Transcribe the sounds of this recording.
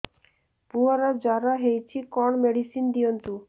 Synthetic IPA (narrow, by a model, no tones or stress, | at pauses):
puaɾad͡ʑaɾaɦejt͡ɕʰikɔɳmeɖisind̪iont̪u